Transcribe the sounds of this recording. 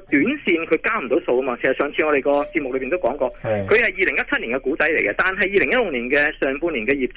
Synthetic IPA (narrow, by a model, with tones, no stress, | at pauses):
t̪yː˨˥nsiː˧nkʰɵ˨˧ɥkaː˥m̩˨˩t̪o˨˥wso˧wkɐ˥maː˧sʰsɐ˨t̚sœː˨˧ŋt͡sʰi˧ŋɔː˨˧ɾe˨jkɔː˧t͡siː˧p̚m˨k̚lɵ˧ɥpːi˨nt̪wkɔː˨˥ŋkɔː˧kʰɵ˨˧ɥhɐ˨jiː˨˩lɪ˨˩ŋjɐ˥t̚t͡sʰɐ˥t̚niː˨˩ŋkɛ˧kuː˨˥t͡sɐ˨˥jle˨˩jkɛ˧t̪aː˨nɦɐ˨jːiː˨˧lɪ˨˩ŋjɐ˥t̚lʊ˨˧kniː˨˩nkɛː˧sœː˨˩ŋpuː˧nliː˨˩nkɛː˧jiː˨˩